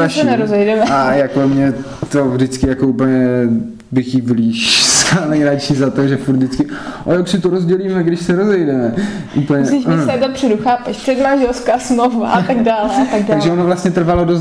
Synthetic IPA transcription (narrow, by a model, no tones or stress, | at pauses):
aʃsɛnɛɾozɛjdɛmɛajakomɲɛ | t̪o̞vdɪt͡skɪjakouːpl̩ɲɛ | bɪxivliːʃsanɛjɾat͡ʃizat̪o̞ʒɛfuɾt̪d̪dɪt͡skɪʔojoksɪt̪oɾozɟɛliːmɛɡdɪʃsɛɾozɛjdɛmɛʔupl̩ɲɛɪʃnɛdopr̝̥ɛduxaːpɛʃpr̥ɛdmanʒɛlskaːsmlova̰ʔat̪aɡ̚daːlat̪aɡdaaɡʒɛʔonovlast̪ɲɛt̪r̩valodos